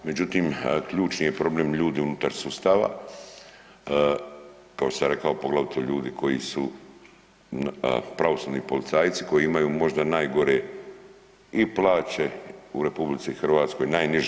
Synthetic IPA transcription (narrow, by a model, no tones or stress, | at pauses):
me̞d͡ʑut̪iːmkʎuːt͡ʃnije̞pɾo̞bleːmʎuːd̪iunut̪aɾsuːst̪aːʋa̰ | kakoo̥saɾe̞kao̞po̞ɡlˠaʋit̪oʎuːd̪ikʰo̞jḭsu | pɾaʋo̞suʋnipo̞lit̪saːjt̪si̥ko̞jiimajuːmo̞ʒd̪anaːjɡo̞ɾe | iplˠaːt͡ɕe̞uɾe̞publit̪siixr̩ʋaːt̪sko̞jnaːjniʒ